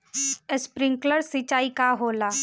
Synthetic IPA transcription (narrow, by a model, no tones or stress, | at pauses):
əspɾɪ̃ŋkləɾsit͡ʃaːikaɦoːla